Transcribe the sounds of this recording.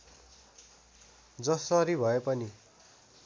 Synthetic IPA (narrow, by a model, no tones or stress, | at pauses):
d͡zʌsʌɾibʱʌepʌni